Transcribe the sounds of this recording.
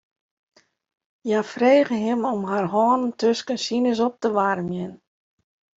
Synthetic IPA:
jafreːɣəɦɪmomɦarɦɔːnəntʰøskənsinəs̬ɔp̚təʋaɾəmjɪn

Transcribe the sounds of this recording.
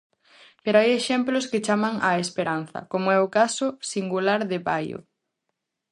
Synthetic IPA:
peɾoajeʃɛmplʊskɪt͡ʃamɐŋɐespeɾan̟θɐ̰komoɛʊkasʊsiŋɡulaɾðɪβajo̰

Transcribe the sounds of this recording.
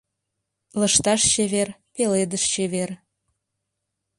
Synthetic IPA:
lə̆ʃt̪ɑʃt͡ɕeβerpeled̪əʃt͡ɕeβer

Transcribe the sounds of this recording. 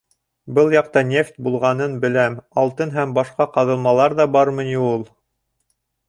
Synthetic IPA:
bɤlˠjɑq̚t̪ɑnʲeft̪ʲbulˠʁɑnɤnbɘ̆læmɑlˠt̪ɤnɦæmbɑʃqɑqɑðɤ̆lˠmɑlˠɑɾðɑbɑɾmɤ̆nʲiulˠ

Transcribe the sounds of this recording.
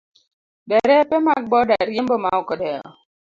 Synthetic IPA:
dɛɾɛpɛmak̚bɔdaɾjembɔmaɔkɔdɛɣɔ̰

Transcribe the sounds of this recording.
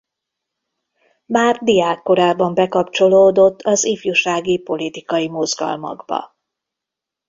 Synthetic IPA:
maːrd̪ijaːkːo̞ɾaːbɒmbɛkɒpt͡ʃo̞loːd̪o̞t̪ʰːɒzifjuʃaːɡipo̞lit̪ikɒjimo̞zɡɒ̰lmɒ̰ɡbɒ̰

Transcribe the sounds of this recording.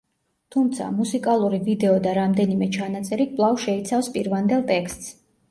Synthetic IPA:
t̪ʰumt̪sʰa̰musikʼalˠuɾivid̪ɛɔd̪aɾamd̪ɛnimɛt͡ʃʰanat̪sʼɛɾikʼvlˠavʃɛit̪sʰafspʼiɾvand̪ɛlˠt̪ʼɛkst̪ʼs

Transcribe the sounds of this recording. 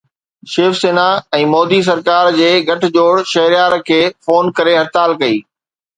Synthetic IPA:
ʃeːfseːnaɛ̃ːmɔːd̪is̬ɐɾkaːɾd͡ʑeːɡʱɐʈʰd͡ʑoːɽʃɐɦɾɪjaːɾkʰeːfoːnkɐɾeɦɐɾt̪aːlkɐiː

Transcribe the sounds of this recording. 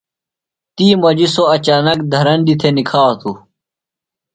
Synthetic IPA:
t̪iːmɐd͡ʑisoɐt͡ɕaːnɐkd̪ʱɐɾɐnɖit̪ʰenikʰaːt̪u

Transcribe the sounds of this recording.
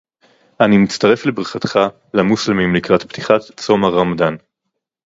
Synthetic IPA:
ʔanimit͡staʁe̞flebʁiχat̪χa | lamuslemimlikʁatpt̪ʰi̥χatt͡somaʁamd̪an

